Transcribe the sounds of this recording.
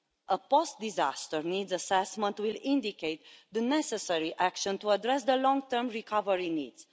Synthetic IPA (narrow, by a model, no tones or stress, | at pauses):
ʔəpost̪̚d̪izast̪əɹnidzəsɛsmə̃nt̪wilĩnd̪ikeɪt̪d̪ənɛsɛsɛɹiʔækʃə̃nt̪uədɾɛsd̪əlɔ̃ŋɡ̚t̪əɾmɹikʰavəɹinḭdz̥